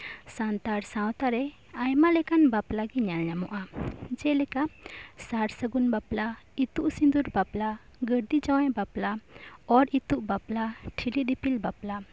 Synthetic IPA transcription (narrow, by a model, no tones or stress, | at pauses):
sant̪aɾsãwt̪aɾɛ | ajmalɛkanbaplaɡɛɲanaɲamɔ̰ʔad͡ʒɛlɛkasaɾsəɡunbapla | it̪uʔsind̪uɾbapla | ɡəɾd̪id͡ʒawajbaplaɔɾit̪uʔbaplaʈʰilid̪ipilbapla